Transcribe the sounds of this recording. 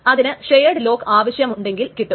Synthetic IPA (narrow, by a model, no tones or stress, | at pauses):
ɐðinɨʂejɐɖɨlo̞ːkːaːʋɐɕjɐmuɳɖe̞ŋɡilkiʈːu